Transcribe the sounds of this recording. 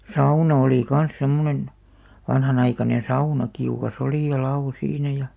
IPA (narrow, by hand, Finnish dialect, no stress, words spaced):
sɑunɑ oliˑ kɑn̞s semːonen ʋɑnhɑnɑikɑnen̞ sɑunɑ kiukɑs oliˑ jɑ lɑo siːnæ jɑ